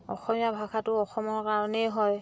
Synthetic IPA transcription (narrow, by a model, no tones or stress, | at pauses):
ɔ̰xɔmijabʱakʰatʊɔxɔmɔɹkaɹɔnɛjɦɔj